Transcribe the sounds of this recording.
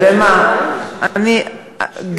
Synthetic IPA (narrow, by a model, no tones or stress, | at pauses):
ɾɛmã | əni | ɡ